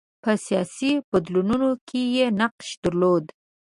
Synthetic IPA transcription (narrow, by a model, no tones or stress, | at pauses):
pəsijɑsib̥ad̪lununokʰejenaqʃd̪̥əɾlod̪